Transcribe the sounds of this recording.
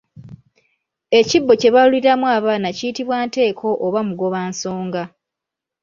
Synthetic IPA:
e̞cibːo̞ce̞βaluliɾamwaːβaːnacijitiβwaːnte̞ːkʰo̞ʔoβamuɡo̞βaːnso̞ːŋɡa

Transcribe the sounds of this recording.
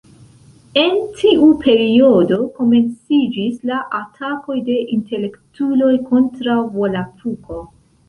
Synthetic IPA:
e̞ntʰiʔupʰe̞ɾio̞do̞ko̞me̞nt͡sid͡ʒislaʔatʰako̞jde̞ʔinte̞le̞ktulo̞jkʰo̞ntɾawvo̞latuko̞

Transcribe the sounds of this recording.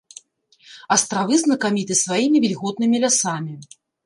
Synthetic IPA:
ɐst̪ɾavɨznɐkamʲit̪ɨsvajimʲivʲilʲɣɔt̪̚nɨmʲilʲasamʲi

